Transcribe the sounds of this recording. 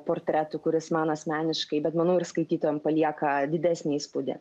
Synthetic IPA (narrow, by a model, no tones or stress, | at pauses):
poːrʲt̪ʲɾʲæt̪ʊkʊɾʲɪsmɐnɐsʲmʲæːnʲɪʃkɐɪbʲɛt̪mɐnɐʊɪɾskɐɪt̪ʲiːt̪oːjɛmpɐlʲiɛkɐd̪ʲɪd̪ʲæːsʲnʲeːispud̪ʲḛː